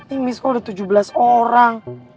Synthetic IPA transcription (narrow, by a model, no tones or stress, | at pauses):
t̪ɪŋmiskɔdat̪ud͡ʒubəlasoɾaŋ